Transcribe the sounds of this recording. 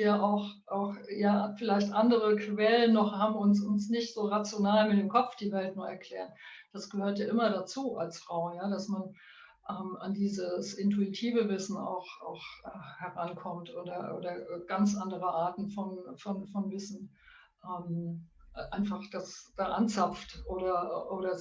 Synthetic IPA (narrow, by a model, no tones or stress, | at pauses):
vijaʔaʊxʔaʊxjaːfɪlaɪçtʔandəʁ̞əkv̥ɛlənːɔχhaːbm̩ʊnsʊnsnɪçtz̥oːʁat͡sjonaːlmɪndeːmkʰɔp͡fd̥iːvɛltnuːɐɛɐkʰl̥ɛːʁənd̥asɡ̥əhøːɐtjaːʔɪmɐdat͡suːʔalsfʁ̥aʊjaːdasman | ʔɛːmʔa̰ndiːzəsʔɪntuitʰiːvəvɪsn̩a̰ʊxʔa̰ʊxʔɛhɛʁankʰɔmtʔoːdɐʔo̰ːdɐɡ̥ant͡sʔandəʁəʔaːɐtn̩fɔnfɔnfɔnvɪsn̩ | ʔɛːm | ʔaɪnfaχd̥asd̥aːʔant͡sap͡ftʔoːɾɐʔoːɾɐ